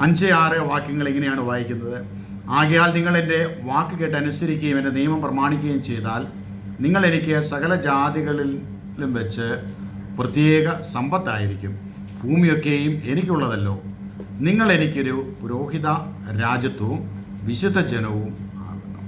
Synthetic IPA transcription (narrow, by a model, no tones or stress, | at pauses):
ɐɲd͡ʑɐjaːrɨʋaːkːɐŋːɐɭeŋːɐnejaːɳubʱaːjikʲːunːɐðɨ | aːɣɐjaːlniŋːɐɭe̞nde̞ʋaːkːɨke̞ːʈːɨɐnusɐɾikʲːɐjumendenijmɐmprɐmaːɳikʲːɐjumt͡ɕe̞jt̪aːl | niŋːɐɭe̞nikʲːɨsɐɣɐlɐd͡ʑaːd̪jɐɣɐɭi | lumʋet͡ɕːɨ | prɐt̪jeːɣɐsɐmbɐt̪ːaːjiɾikʲːum | bʱuːmijo̞kːejumenikʲːuɭːɐðɐlːo̞̰ː | niŋːɐɭe̞nikʲːo̞ɾupuɾo̞ːɦiðɐ | ɾaːd͡ʑjɐt̪ːɐʋum | ʋiɕud̪ʱːɐd͡ʑenɐʋuma̰ːɣunːṵm